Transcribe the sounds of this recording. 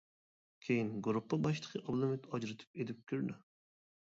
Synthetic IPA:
kʲʰejinɡuɾupːəbɑʃt̪ə̥qʰəʔɑlˠɨmyt̪ɑd͡ʒɾɨt̪ʰy̥p̚ed̪ɪp̚kʲʰyɾd̪y

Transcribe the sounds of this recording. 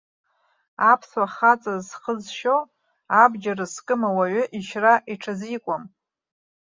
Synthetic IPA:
apʰswaχat͡sʼazsχəzʃo | abd͡ʒarɨskʼɨmawaɥʏʔiʃraʔiʈ͡ʂʰazikʷʼam

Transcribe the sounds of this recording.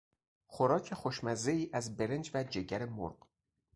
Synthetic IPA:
xoɾɒːcʰe̞xoʃmæzeiːʔæzbe̞ɾend͡ʒvæd͡ʒeɟæɾemo̰ɾɢ

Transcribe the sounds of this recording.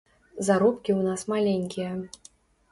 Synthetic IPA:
zaɾupkʲiwnasmalʲeŋʲkʲijɐ

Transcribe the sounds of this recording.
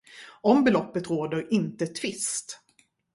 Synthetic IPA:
ɔmbɛlɔpːət̪ɾoːd̪əɾɪnt̪ət̪ʰvɪst̪

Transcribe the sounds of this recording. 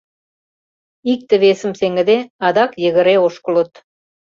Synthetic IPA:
ik̚t̪ə̆βesə̆mseŋɡə̆d̪eɑd̪ɑkjə̆ɣə̆ɾeoʃkɤ̆lə̆t̪

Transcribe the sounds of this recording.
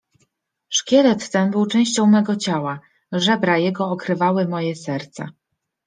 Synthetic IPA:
ʂkʲɛlɛt̪t̪ɛnbɘwt͡ʂɛ̃w̃ɕt͡ɕɔ̃w̃mɛɡɔt͡ɕawa | ʐɛbɾajɛɡɔːkɾɘvawɘmɔjɛsɛɾt̪sa̰

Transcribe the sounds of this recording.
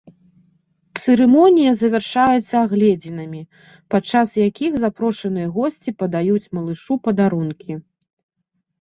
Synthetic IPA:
t̪sɨɾɨmɔnʲijɐzɐvʲɛrʂajɛt̪sːɐaɣlʲɛd͡zʲinɐmʲi | pat̪t͡ʂasjakʲiɣzapɾɔʂɐnɨjɐɣɔsʲt͡sʲipɐd̪ajut͡sʲmɐlˠɨʂupɐd̪aɾunkʲi

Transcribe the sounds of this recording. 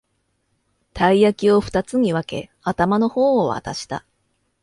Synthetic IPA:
t̪aijakʲio̞ɸɯ̟̥t̪at͡sɨɲ̟iβake̞̰ | at̪amano̞ho̞ːa̰t̪aɕi̥t̪a̰

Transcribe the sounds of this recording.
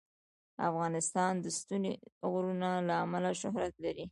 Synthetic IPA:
a̰fɣɑnɪst̪ɑnd̪əst̪uneɣɾunalaːmalaʃʊɦɾat̪laɾi

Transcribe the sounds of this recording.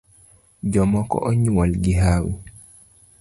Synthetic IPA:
d͡ʒɔmɔkɔ̰ʔɔɲuwalɡiɦaːwḭ

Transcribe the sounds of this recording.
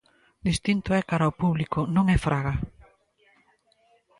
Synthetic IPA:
d̪ist̪int̪ʊɛkaɾaopuβlikʊnõŋɛfɾaɣa

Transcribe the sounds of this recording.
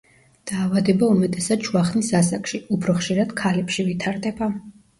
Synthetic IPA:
d̪̥aːvad̪ɛbaumɛt̪ʼɛsad̪ʃʰwaχnisasakʰʃiupʰɾɔχʃiɾad̪̥kʰalɛpʃivit̪ʰaɾd̪ɛba

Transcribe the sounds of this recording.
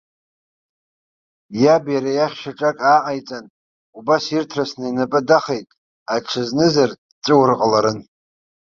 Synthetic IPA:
jabjaɾajaχʲʃaʈ͡ʂʼakʼaʕajt͡sʼan | ubasirtʰrasnainapʼɨdaχejtʼ | aʈ͡ʂʰɨznɨzar | t͡sʼɨwrqʼəlaɾɨn

